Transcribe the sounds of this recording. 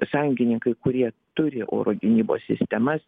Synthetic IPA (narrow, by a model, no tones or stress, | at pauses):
sɑːjʊŋʲɡʲɪnʲɪŋkɐɪkʊɾʲiɛt̪ʊɾʲɪʔo̰ːɾoːɡʲɪnʲiːbo̰ːsʲsʲɪ̰sʲt̪ʲɛmɐs